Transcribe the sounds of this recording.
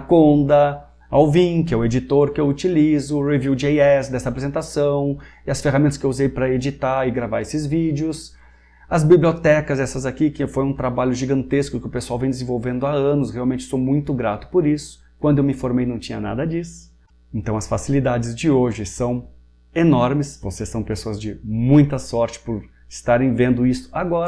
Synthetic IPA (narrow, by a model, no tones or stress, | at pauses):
akõnd̪ɐ | awvĩkɪɛwed͡ʒit̪oɾkɪewut͡ʃilizʊʁevjud͡ʒejɛsd̪ɛst̪ɐapɾezẽnt̪asɐ̃w̃ɪɐsfeɦamẽnt̪ɐskɪewuzejpɾɐed͡ʒit̪aɪɡɾavaesɪzvid͡ʒjʊs | ɐzbibliot̪ɛkɐzɛsɐzakikɪfojũt̪ɾabaʎʊʒiɡɐ̃nt̪eskʊkɪʊpesuawvẽj̃d̪ɪzẽvowvẽnd̪ʊaɐ̃nʊsheawmẽnt͡ʃɪ̥sowmũj̃t̪ʊɡɾat̪ʊ̥poɾisʊ̥ | kwɐ̃nd̪ʊewmɪĩfoɾmejnɐ̃w̃t͡ʃĩɲɐna̰d̪ɐd͡ʒisʊ̥ | ẽnt̪ɐ̃w̃ɐsfasilid̪ad͡ʒɪzd͡ʒɪoʒɪsɐ̃w̃ | enɔɾmɪsvosesːɐ̃w̃pesoɐzd͡ʒɪmũj̃t̪ɐsɔɾt͡ʃɪ̥pʊɾ | ɪst̪aɾẽj̃vẽnd̪ʊist̪ʊ̥aɡɔɾ